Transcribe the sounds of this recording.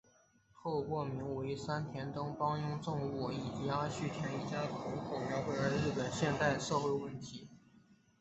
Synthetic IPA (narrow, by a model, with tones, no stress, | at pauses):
t̪ʰo˥˧ʊkwɔ˥˩mi˧˥ŋwe˧˥i˧˩sa˥nt̪ʰjɛ˧˥nt̪ɤ˥ŋpɑ˥ŋjʊ˥ŋʈ͡ʂɤ˥˧ŋu˥˩i˨˩t͡ɕi˧˥a˥ɕy˥˩t̪ʰjɛ˧˥˩ni˧˥˩t͡ɕja˥k̪ʰo˧˥ŋkʰo˨˩ʊja˧˥xwe˥˩ə˞˧˥ɻɻ̩˥˩pə˨˩nɕjɛ˥˧nt̪a˥˧ɪʂɤ˥˧xwe˥˧ɪwə˥˩nt̪ʰi˧˥